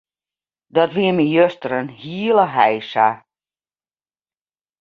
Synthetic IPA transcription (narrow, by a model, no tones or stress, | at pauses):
dɔtʋiəmijøstəɾənhiəlˠəɦɛjsa